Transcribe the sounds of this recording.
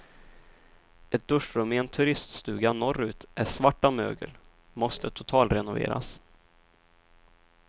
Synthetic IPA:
ɛt̪̚d̪̥ɵʂɾɵmːɪɛnt̪ʰɵɾɪst̪st̪ʉ̟ːɡanɔɾːʉ̟ːt̪æʂvaʈːamø̰ːɡə̰l | mɔst̪ʰət̪ʰʊt̪ʰɑːlt̪ɾɛnʊvḛːɾa̰s

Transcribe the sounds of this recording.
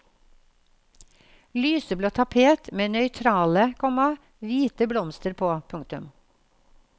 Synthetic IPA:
lyːsəbloːt̪ʰɑpʰeːt̪meːnœʏt̪ʰɾɑːləkʰɔmɑ | ʋiːt̪əblɔmst̪əɾpʰoːpʰʊŋ̚t̪ʉm

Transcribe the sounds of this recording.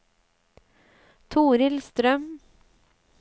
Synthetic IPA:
t̪ʰuːɾɪlst̪ɾœm

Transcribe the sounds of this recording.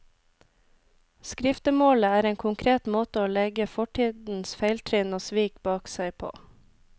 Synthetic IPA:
skɾɪft̪əmoːləæːɾeːŋkʰʊŋkʰɾeːt̪moːt̪əoːlɛɡəfɔʈʰiːd̪n̩sfeɪlt̪ʰɾɪnoːsʋiːkbɑːksæɪpʰo̰ː

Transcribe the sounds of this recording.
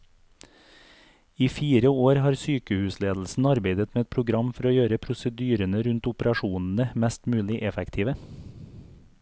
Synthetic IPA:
iːfiːɾəoːɾhɑːɾsyːkəhʉːsleːd̪l̩sn̩ɑɾbeɪd̪ət̪meːɛt̪̚pʰɾʊɡɾɑmfɔɾoːjøːɾəpʰɾʊsəd̪yːɾənəɾʉnt̪ʊpəɾɑʃuːnn̩əmæst̪mʉːlɪʔɛfɛkt̪ʰiːʋə

